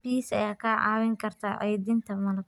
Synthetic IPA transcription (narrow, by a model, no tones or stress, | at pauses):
b̥iːsɐjaːkʰaːʕɑ̰ːwɪŋkʰɐrt̪ʰɐʕɛjd̪int̪ʰɐmɐnʊ